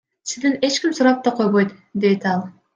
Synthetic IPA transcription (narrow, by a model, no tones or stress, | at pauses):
sizd̪ine̞t͡ʃkʲimsuɾɑp̚t̪ɑqʰo̞jβojt̪ | d̪e̞t̪ɑlˠ